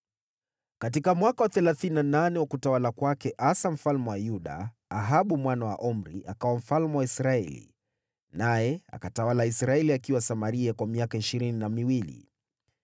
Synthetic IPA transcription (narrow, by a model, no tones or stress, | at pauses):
kat̬ikamwakawaθɛlaθininananɛwakutawalakwakɛʔasam̩falmɛwajuɗa̰ː | ɦaɓumwanawa̰ʔɔm̩ɾiakawam̩falmɛwaisɾaɛlḭ | najɛa̰katawalaisɾaɛliakiwasamaɾiakwamiakaiʃiɾininamiwilḭ